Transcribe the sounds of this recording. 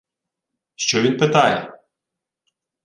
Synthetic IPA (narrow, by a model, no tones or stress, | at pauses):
ʃt͡ʃɔʋʲinpɪt̪ɑjɛ